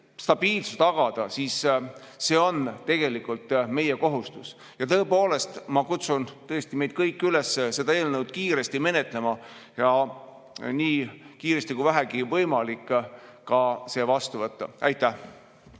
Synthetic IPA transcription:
st̪ɑb̥iːlsu̥st̪ɑɡ̥ɑd̪̥ɑsisː | e̞ːo̞nt̪e̞ɡ̥e̞likːˑult̪ːme̞jeko̞ɦust̪us | jɑt̪ɤ̞epo̞ːle̞st̪mɑkut̪sunt̪ɤest̪ime̞jd̪̥̚kɤjkːylesːese̞d̪ɑe̞ːlnewd̪̥̚kiːɾe̞st̪ime̞ne̞t̪ˑle̞mɑ | jɑ | niːkiːɾe̞st̪ikujvæɦæɡivɤjmɑlikˑːɑse̞ːvɑst̪uvɤt̪ːɑ̰ʔæjt̪ːˑæh

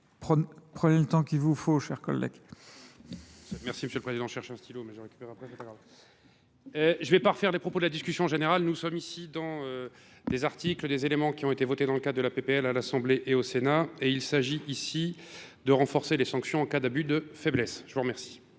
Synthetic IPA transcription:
pχəpχənelət̪ɑ̃kʲilvufoʃɛʁkɔ̰lːɛ̰ɡ | ɛmɛʁsiməsjøləpχezid̪ɑ̃ʃɛʁʃɛ̃st̪ʰilomɛʒəʁekʲy̥peʁeapχɛsɛpaɡʁav | ʒəvɛpaʁəfɛʁlepχɔpod̪əlad̪iskʲysjɔ̃ɑ̃ʒeneʁalnusɔmisid̪ɑ̃ø | d̪ezaʁt̪ikləd̪ezelemɑ̃kʲiɔ̃et̪evɔt̪ed̪ɑ̃ləkad̪ʁd̪əlapepeɛlalasɑ̃bleʔeosenaeilsaʒiʔisid̪əʁɑ̃fɔʁselesɑ̃ksjɔ̃ɑ̃kad̪abyd̪əfɛblɛsʒ̥əvuʁəmɛʁsi̥

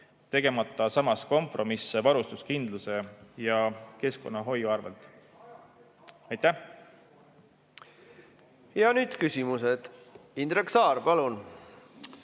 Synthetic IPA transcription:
t̪e̞ɡ̥e̞mɑt̪ːˑɑsɑmɑsko̞mpˑro̞misevɑɾust̪uskind̪luse̞jɑke̞sko̞nːɑɦo̞jːuɑrvelt̪ˑ | ɑjt̪æh | jɑnyːd̪̥kysʲimused̪̥ind̪ɾeksɑːɾpɑlun

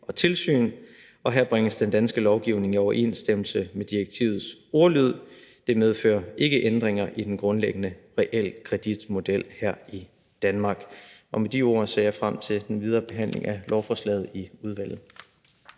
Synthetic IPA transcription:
ʔɒ̽t͡sʰe̝lsy̰ːn | ɒ̽ɦæɐb̥ʁaŋəsd̥end̥ænsɡ̥əlɒʊɡ̥iʊne̝ŋiɒʊɐʔe̝̰nsd̥em̰l̩səmed̥ieɡ̥̚t͡sʰḭʊð̩ˠso̝ɐlyð̰ˠd̥e̝með̞ˠfø̰ːɐe̝ɡ̥əʔend̥ʁeŋɐʔid̥enɡ̥ʁɔ̽nleɡ̥ənəʁɛʔel̰kʰʁɛd̥id̥mo̝d̥el̰hæɐ̰i | d̥ænmɑ̈ːɡ̥ʔɒ̽med̥io̝ɐ̰sḛɐ̰jɑ̈ɪfʁam̰t͡sʰe̝ld̥enʋið̞ˠɐːb̥e̝ɦæn̰le̝ŋælɒʊfɒːslɛ̰ːð̞̩ˠiuð̞ˠʋæl̰ð̩ˠ

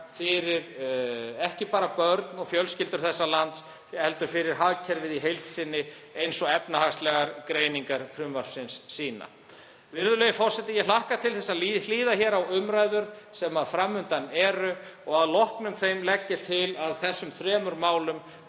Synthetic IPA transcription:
fɪɾɪɾ | ɛhcɪpaːɾapœɾt̪nɔɣfjœlscɪlt̪ʏɾ̥θɛsːalant̪s | jɛhɛlt̪ʏɾ̥fɪɾɪɾ̥ɦaðcʰɛɾvɪðiɦejlt̪sɪnːɪ | ejnsɔɛpnahakst̪lɛɣaɾkɾeːjniŋkaɾ̥fɾʏmvaɾ̥fsɪnsːiːna̰ | vɪɾðʏlɛjɪfɔr̥sɛt̪ɪjɛlahkat̪ʰɪlθɛsːaðiliːðaçɛɾawʏmɾaːjðʏɾsɛmaðfɾamːʏnt̪anɛːɾʏɔɣaðlɔhknʏmθejmlɛcːɪt̪ʰɪlaðθɛsːʏmθɾɛːmʏɾmaːwlʏm

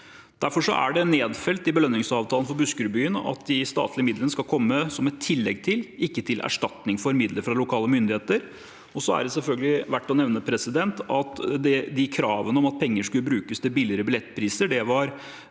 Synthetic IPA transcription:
d̪̥æɾfɔʂɔ̰ʔæ̰ɖɛneːd̪fɛlt̪ɪbəlœnːɪŋsɑːʋt̪ʰɑːlənfɔɾbʉskʉɾbyːənɑ̰t̪d̪ɪst̪ɑ̰ːt̪ʰlɪəmɪd̪lənəskɑlkʰɔmːəsɔmɛt̪ʰːɪlːɛɡt̪ʰɪlɪkːət̪ʰɪlʔæ̰ʂʈɑt̪nɪŋfɔɾmɪd̪ləɾfɾɑlʊkʰɑːləmʏnd̪ɪheːt̪əɾ | ɔsɔæ̰ɖɛsɛlfœlɡəlɪʋæʈːɔnɛʋnəpʰɾɛsɪd̪ɛnt̪ɑt̪d̪ɛd̪ɪkʰɾɑːʋənəɔmɑt̪̚pʰɛŋːəʂkʉlːəbɾʉːkəst̪ɪlbɪlɪɾəbɪlɛt̪ːpʰɾiːsəɖɛʋɑɾ

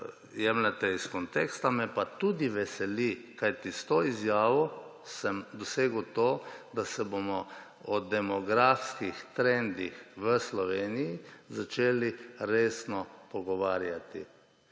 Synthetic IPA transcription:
jɛmlat̪ɛiskɔnt̪ekst̪amɛpat̪ud̪iʋɛsɛlikajt̪ist̪oːizjaːʋɔ | səmd̪ɔseːɡwt̪oːd̪asɛbomɔ | ɔd̪ɛmɔɡɾafskixt̪ɾɛnd̪ixʋəslɔʋeːnijizat͡ʃeːliɾeːsnɔpɔɡɔʋaːɾjat̪ḭ

